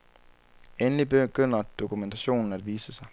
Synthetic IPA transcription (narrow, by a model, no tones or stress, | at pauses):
enlibɡ̥øn̰ɐd̥o̝kʰument͡sʰæɕo̝̰ːnn̩æd̥ʋiːsəsɑ̈ɪ